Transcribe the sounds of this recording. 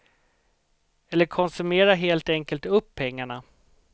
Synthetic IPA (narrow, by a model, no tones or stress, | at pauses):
ɛlːəɾkʰɔnsɵmeːɾaɦeːlt̪ɛŋkəlt̪ɵpʰːɛŋːaɳa